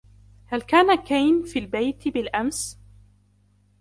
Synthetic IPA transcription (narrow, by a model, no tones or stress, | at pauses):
halkaːnakajnfiːlbajt̪bɪlʔams